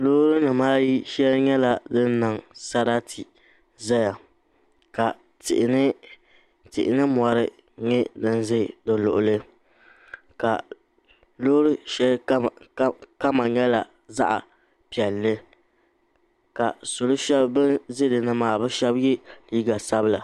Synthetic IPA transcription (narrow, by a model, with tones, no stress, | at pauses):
loː˦ɾɨ˦nɨ˨maː˦ji˦ʃɛ˦lɲɛ˦la˨dɨ˦n˦nɨ˨ŋsa˦ɾa˦tʰi˨ | za˦ja˨ | ka˨ | tɪ̰˨ʔɪ˨nɨ˦ | tɪ̰˨ʔɪ˨nɨ˦mɔ˨ɾɨ˦ | ɲɛ˦dɨ˦n˦zɨ˦˨dɨ˨lʊ̰˨ʔʊ˨lɨ˦ | ka̰˨ | loː˦ɾɨ˦ʃɛ˦l | ka˦ma˨ɲɛ˦la˨ | za̰˦ʔa̰˨ | pi˨ɛ˨lːɨ˦ | ka˨so˨lo˦ʃɛ˦bbɨ˦nzɨ˦dɨ˨nɨ˦maː˨bɨ˦ʃɛ˦bjɪ˦liː˦ɡa˨sa˦bɨ˦la˨